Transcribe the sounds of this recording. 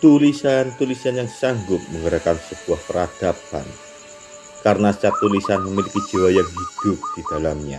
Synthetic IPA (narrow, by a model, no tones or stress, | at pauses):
t̪ulisant̪ulisanjaŋsaŋɡʊt̪̚məŋɡəɾakansəb̥uahpəɾad̥apa̰n | kaɾənasə̥t͡ʃat̪ulisanməmiliki̥d͡ʒ̥iwajaŋɦid̥ʊp̚d̥id̥alamɲa